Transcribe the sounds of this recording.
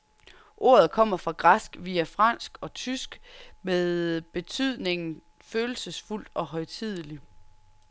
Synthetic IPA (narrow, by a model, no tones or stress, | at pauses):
ʔo̝ɐð̞̩ˠkʰɒ̽m̰ɐfʁɑ̈ɡ̥ʁɑsɡ̥ʋiːæfʁɑn̰sɡ̥ɒ̽t͡sʰysɡ̥meðˠb̥e̝t͡sʰyð̞̰ˠne̝ŋn̩ | føːl̩səsful̰d̥ɒ̽ɦɒ̽ɪt͡sʰið̞ˠəli